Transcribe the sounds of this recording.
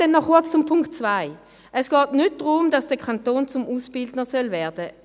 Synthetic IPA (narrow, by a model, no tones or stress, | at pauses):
ɛnːɔχkʊɐt͡st͡sʊmpʰʊŋkt̚t͡svaɪ | ʔɛsɡ̥ɑːtnʏt̚d̥ʁʊmd̥ɑsd̥ɛɐkʰantoːnt͡sʊmʔuːsb̥ɪldnəsœlvɛːɐdə